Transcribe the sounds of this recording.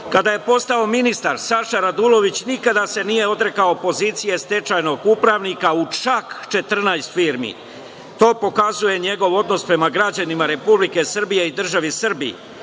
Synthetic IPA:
kad̪aje̞po̞st̪ao̞minist̪aɾsaʃaɾad̪ulo̞ʋit͡ɕnikad̪ase̞nije̞o̞d̪ɾe̞kaopo̞ziːt̪sije̞st̪e̞t͡ʃajno̞ɡupɾaʋnikaut͡ʃakt͡ʃe̞t̪r̩najst̪fiːɾmḭ | t̪o̞ːpo̞kazuje̞ɲe̞ɡo̞ʋo̞d̪no̞spɾe̞maɡɾad͡ʑanimaɾe̞publike̞sr̩bije̞id̪r̩ʒaʋisr̩bḭ

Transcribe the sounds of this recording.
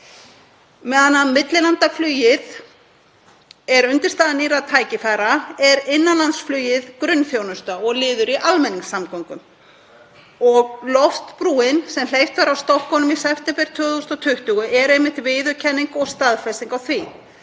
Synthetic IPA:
mɛðanːamɪt̪lɪlant̪aflyːjɪð | ɛɾʏnt̪ɪ̥st̪aːðaniːɾaðt̪ʰaːjcɪfajɾaɛɾɪnːanlant̪sflœːjɪðkɾʏnfjownʏst̪aɔɣlɪːðʏɾiʔalmɛnːiŋsːamkɔwŋkʏm | ɔɣlɔft̪pɾuːɪnsɛml̥ejft̪faɾawst̪ɔhkɔnʏmisɛft̪ɛmpɛɾ̥t̪ʰœːðust̪ɔt̪ʰʏht̪uɣʏʔɛɾɛjmɪht̪vɪːðʏɾcʰɛnːiŋkɔɣst̪aðfɛsiŋkawθvi

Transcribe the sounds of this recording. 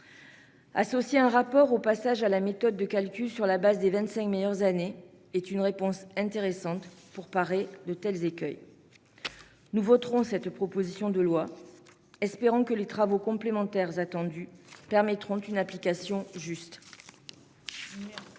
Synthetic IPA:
a̰sɔsjeɛ̃ʁapɔʁopasaʒalamet̪ɔd̪ːəkalkʲylsyʁlabazd̪evɛ̃t̪sɛ̃kmejœʁzane | ɛt̪ynʁepɔ̃sɛ̃t̪eʁesɑ̃t̪puʁpaʁed̪ət̪ɛlzekʲœj | nuvɔt̪χɔ̃sɛt̪pχɔpozisjɔ̃d̪əlwa | ɛspeʁɑ̃kəlet̪χavokɔ̃plemɑ̃t̪ɛʁzat̪ɑ̃d̪ypɛʁmɛt̪χɔ̃t̪ynaplikasjɔ̃ʒyst̪

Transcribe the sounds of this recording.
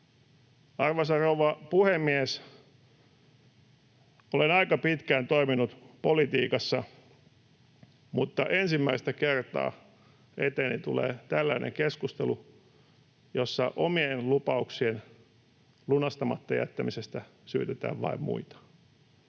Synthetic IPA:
ɑrʋɑsɑrouʋɑpuhemːies | olenɑikɑpit̪kæːnt̪oiminut̪polit̪iːkɑsːɑ | mut̪ːɑʔensimːæist̪ækert̪ɑ̰ː | et̪eːnit̪ulḛːt̪ælːæinʔḛŋkeskust̪elu | josːɑʔomienlupɑuksien | lunɑst̪ɑmɑt̪ːɑjæ̰t̪ːæmisest̪æ | sy̰ːt̪et̪æ̰ːʋʋɑ̰immṵit̪ɑ̥

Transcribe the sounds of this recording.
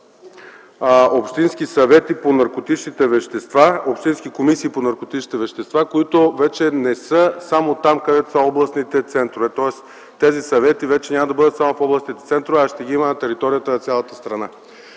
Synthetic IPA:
opʃt̪insk̟isɐvɛt̪iponɐɾkot̪it͡ʃnit̪ɛvɛʃt̪ɛst̪vaopʃt̪inskikomisiːponɐɾkot̪it͡ʃnit̪ɛvɛʃt̪ɛst̪vakoit̪ovɛt͡ʃɛnɛsɤsamot̪amkɐd̪ɛt̪o̥saɔblˠɐsnit̪ɛt̪sɛnt̪ɾovɛt̪ɔɛs | t̪ɛzisɐvɛt̪ivɛt͡ʃɛnʲaməd̪ɐbɤd̪ət̪samofɔblˠɐsnit̪ɛt̪sɛnt̪ɾovɛaʃt̪ɛɡiimənɐt̪ɛɾit̪ɔɾijət̪ənɐt̪sʲjalˠɐt̪ə̥st̪ɾɐna

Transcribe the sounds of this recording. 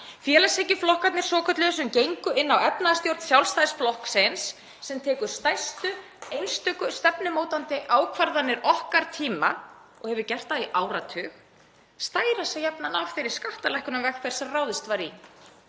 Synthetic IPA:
fjɛːlasehcɪflɔhkat̪nɪɾ̥sɔːkʰœt̪lɛʏsʏmcejŋkʏɪnːawɛpnaðast̪jowɾt̪sjawlst̪ajsflɔhksensː | ɛmt̪ʰɛːkʏɾ̥st̪ajst̪ʏ | ejnst̪ʏkʏst̪ɛpnɪmoːwt̪ant̪ɪʔaːwkʰvaɾðanːɪɾɔhkaɾ̥t̪ʰiːma | ɔhɛvʏɾcɛr̥t̪aðiʔaːwɾat̪ʰʏːx | st̪aːjɾasɛjɛpnanavfɪɾɪɾ̥skaht̪alɛhkʏnavɛxfɛɾ̥sɛmraːwðɪst̪vaːɾi

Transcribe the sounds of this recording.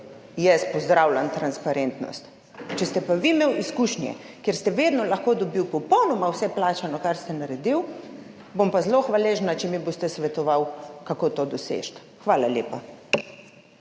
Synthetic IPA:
jɛspɔzd̪ɾawlʲant̪ɾanspaɾent̪nɔ̰st̪ | t͡ʃɛst̪ɛpaʋimeːwiskuːʃnjɛ̰ | keɾst̪ɛʋed̪nɔlaxkod̪ɔbiwpɔpɔwnɔmawsɛplaːt͡ʃanɔkaɾst̪ɛnaɾɛd̪iw | bompazloxʋaleːʒnat͡ʃɛmibost̪ɛsʋɛt̪ɔʋawkakoːt̪od̪ɔsḛʃt̪ | xʋaːlaljeːpa

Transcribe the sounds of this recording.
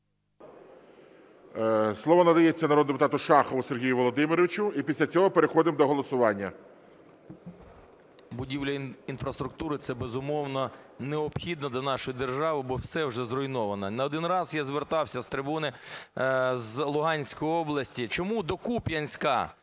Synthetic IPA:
slˠɔʋɔnɐd̪ɐjet͡sʲːɐnɐɾod̪d̪epʊt̪ɑt̪ʊʃɑxɔʋʊserɦʲijʊʋɔlˠɔd̪ɪmɪɾɔʋʲɪt͡ʃʊipʲisʲlʲɐt͡sʲɔɦɔpeɾexɔd̪ɪmd̪ɔɦɔlˠɔsʊʋɑnʲːɐ | bʊdʲiwlʲɐinfɾɐst̪ɾʊk̚t̪uɾɪt̪sɛbezʊmɔwnɔneɔpxʲid̪nɐd̪lʲɐnɑʃɔjʊd̪erʒɑʋɪbɔwsɛwʒɛzrɔjnɔʋɐnɐnɐɔd̪ɪnrɑzjazʋert̪ɑwsʲɐst̪ɾɪbunɪ | zlˠʊɦɑnʲsʲkɔjiɔblˠɐsʲtʲit͡ʃɔmud̪ɔkupʲjɐnʲsʲkɐ

